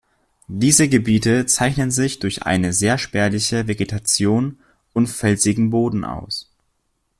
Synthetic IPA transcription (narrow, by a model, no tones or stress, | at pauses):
d̥iːzəɡəbiːtət͡saɪçnənzɪçd̥ʊɐçʔa̰ɪnəzeːɐʃpɛɐlɪçəveɡetʰat͡sjoːn | ʊntfɛlzɪɡŋ̩boːdn̩ʔa̰ʊs